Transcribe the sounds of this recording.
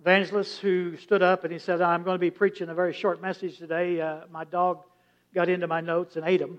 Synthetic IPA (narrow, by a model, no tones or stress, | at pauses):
væ̃nd͡ʒl̩ˠəshʉstʊɾʌpɨ̃nisɛɾaãɪ̃mɡoʊ̃nbipʰɹ̥it͡ʃɪ̃ŋəvɛɹiʃɔɹt̚mɛsɨd̥ʒ̥tʰɨdeɪmaɪdɔɡ̚ | ɡɑɾɪ̃ntʉmaɪnoʊtsɨ̃neɪɾə̃m